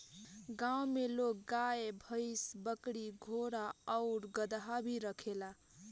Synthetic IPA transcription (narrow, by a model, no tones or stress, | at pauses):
ɡawmelok̚ɡaebʱəɪsbəkɽiɡʱoɾaəʊɾɡəd̪ɦabʱiɾəkʰela